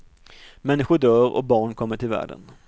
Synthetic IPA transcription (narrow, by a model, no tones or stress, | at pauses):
mɛnːɪɧʊɖœːɾɔ̰bɑːɳkʰɔmːəʈʰɪlvæ̰ːɖə̰n